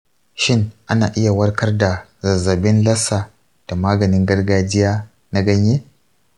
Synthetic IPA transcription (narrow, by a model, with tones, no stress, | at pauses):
ʃɪ˦ŋʔa˦naː˨ʔɪ˦ja˨wɐ˦rkɐ˦rda˨zɐ˨zːɐ˨bɪ˦nlɐ˦sa˨ | d̥a˨maː˦ɡɐ˨nɪ˦ŋɡɐ˦rɡaː˦d͡ʒɪ˦jaː˦ | na˦ɡɐ˦ɲjeː˦